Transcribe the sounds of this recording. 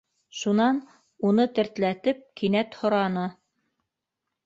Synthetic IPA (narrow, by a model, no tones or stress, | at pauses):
ʃunɑn | unɤt̪ɘ̆ɾt̪læt̪ɘp̚kʰinæt̪hŏɾɑnɤ